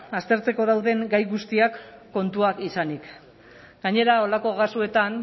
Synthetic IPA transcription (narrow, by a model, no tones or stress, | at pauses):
ast̪e̞ɾt͡se̞ko̞ðawðe̞ŋɡajɣust̪iakːo̞nt̪uakisanik | ɡ̥aɲe̞ɾao̞lako̞ɣasue̞t̪an